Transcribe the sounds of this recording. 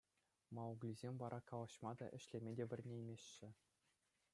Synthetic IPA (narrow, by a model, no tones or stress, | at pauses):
mɑuɡlʲizʲemʲʋɑɾʔɑkɑlˠɑɕmɑd̪ɑ̰ʔɘ̆ɕlʲemʲedʲeʋʲɘ̆rʲnʲejmʲeɕːɘ̆